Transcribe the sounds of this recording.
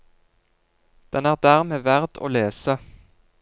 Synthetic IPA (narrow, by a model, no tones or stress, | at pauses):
d̪̥ɛnæːʁd̪æːʁmeːʋæʁd̪o̰ːleːsə